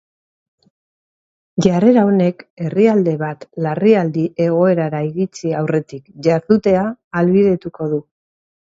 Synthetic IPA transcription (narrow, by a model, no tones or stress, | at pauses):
ʝare̞ɾaone̞ke̞riald̪e̞βat̪lariald̪iʔe̞ɣ̞o̞e̞ɾaɾaiɣit͡siawre̞t̪ikʝaɾðut̪e̞aːlβið̞e̞t̪uko̞ðu